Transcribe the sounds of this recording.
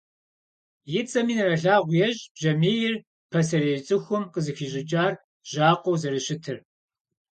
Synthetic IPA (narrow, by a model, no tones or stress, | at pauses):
jɪt͡sʼɐmiːnɨrɐɮaːʁʷjɛʑʼb̥ʒɐmeːjɪr | pʰɐs̬ɐɾeːt͡sʼɨxʷʊmqəzɨxiːʑɪt͡ʃʼaːr | ʑaːqʷɔwzɐɾɨɕɪtʰɨr